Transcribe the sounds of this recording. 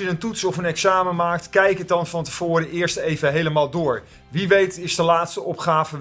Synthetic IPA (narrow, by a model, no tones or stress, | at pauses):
ənəntutsɔfənɛksaːməmaːk̚tkɛjkədɑnvɑntəv̥ʊːɾəʔɪːɹstejvəɦejləmaːlˠdʊːɹ | ʋiʋejtɪsdəlaːtstəʔɔpχaːvə